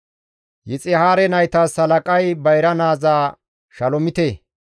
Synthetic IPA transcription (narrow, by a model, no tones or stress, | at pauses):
jɪt͡sʼɪhaːɾɛnɐjt̪aːsɐlɐkʼɐjbɐjɾɐnaːzaː | ʃɐlɔmɪt̪eː